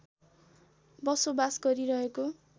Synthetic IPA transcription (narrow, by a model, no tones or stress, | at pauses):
bʌsobasɡʌɾiɾʌɦeko